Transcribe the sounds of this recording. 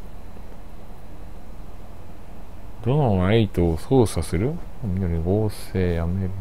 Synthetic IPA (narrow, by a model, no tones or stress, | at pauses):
d̪o̞noait̪oːsoːsasɨɾɯ̟ | omʲinoɾʲiɡoːse̞ːjameɾɯ